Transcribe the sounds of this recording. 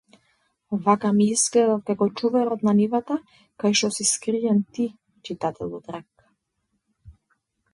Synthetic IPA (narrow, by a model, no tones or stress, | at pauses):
vakamiizɡlɛd̪afkakɔt͡ʃuvɛɾɔt̪nanivat̪a | kajʃt̪ɔsiskɾiɛnt̪i | t͡ʃit̪at̪ɛlˠɔd̪ɾak